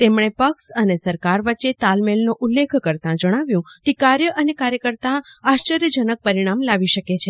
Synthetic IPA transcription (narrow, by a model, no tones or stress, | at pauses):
t̪emɳ̃epəksənesəɾkaɾʋətːʃet̪almelnoʔulːekʰkəɾt̪ãd͡ʒəɽ̃aʋjũkekaɾjəʔənekaɾjəkəɾt̪aaʃt͡ʃəɾjəd͡ʒənək̚pəɾiɽ̃amlaʋiʃəket͡ʃʰe